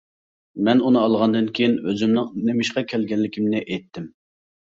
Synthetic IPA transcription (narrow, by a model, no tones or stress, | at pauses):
mɛnunɨɑlˠʁɑnd̪ɨnkʲʰejinøzymnɨŋnemɪʃqɑkʲʰɛlɡʲɛlːɪkʲʰimnɪʔejt̪ʰːɪm